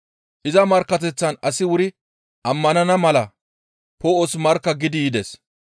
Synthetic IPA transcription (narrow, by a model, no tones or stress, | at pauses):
ʔɪzɐmɐɾkːɐt̪̬ɛt͡sːɐnɐsɪwʊɾɪ | ʔɐmːɐnɐnɐmɐlɐ | poːʔosmɐɾkːɐɡɪd̪ɪjɪd̪ɛs